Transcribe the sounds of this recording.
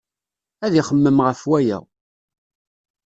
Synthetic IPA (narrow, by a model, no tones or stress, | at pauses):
æðiχəmːəmʁəfwæjæ̰